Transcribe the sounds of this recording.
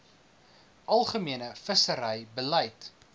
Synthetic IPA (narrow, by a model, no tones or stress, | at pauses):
ʔɐlˠχəmiənəfəsəɾəjbəlɐjt